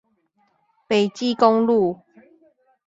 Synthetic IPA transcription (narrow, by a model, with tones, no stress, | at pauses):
pe˨˩t͡ɕi˥˦kɔ˦ŋlu˥˨